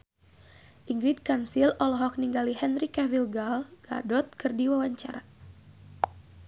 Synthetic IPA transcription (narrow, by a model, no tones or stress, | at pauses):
ʔiŋɡɾid̚kansilɔlɔɦɔk̚niŋɡaliɦɛnrikɛvilɡalɡ̥a̰dɔt̪̚kɨrdiwawaɲt͡ʃa̰ɾa